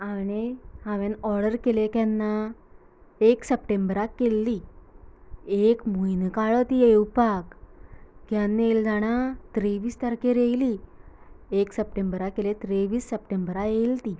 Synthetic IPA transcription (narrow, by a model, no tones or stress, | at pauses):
aɽ̃ihãʋẽnɔɾɽəɾkelekjanːa | eksəpʈembəɾakːelːi | ekmujnkaɭət̪iewpak | kjanːeld͡zaɽ̃at̪ɾeʋiːst̪əɾkeɾejli | eksəp̚ʈembəɾakːelet̪ɾeʋiːsːəpʈembəɾajelt̪i